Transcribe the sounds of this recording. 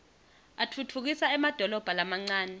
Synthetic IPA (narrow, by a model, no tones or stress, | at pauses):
atʰutʰuk̬isaɛmad̥ʱɔlɔb̥ʱalamaŋ͡ǀaːnɛ